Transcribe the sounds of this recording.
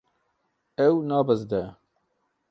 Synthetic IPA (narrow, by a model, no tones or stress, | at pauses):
ɛwnɑːbəzd̪ɛ